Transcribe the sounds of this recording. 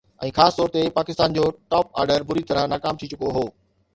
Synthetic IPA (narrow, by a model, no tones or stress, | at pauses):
ʔɛ̰̃ːxaːst̪ɔːɾt̪epaːkɪst̪aːnd͡ʑoːʈaːp̚a̰ːɾɖəɾbʊɾit̪ɐɾə̃naːkaːmt̪ʰit͡ɕʊkoɦoː